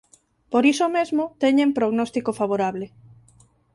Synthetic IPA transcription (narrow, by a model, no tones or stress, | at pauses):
poɾisomezmot̪eɲẽmpɾoɣnɔst̪ikofaβ̞oɾaβle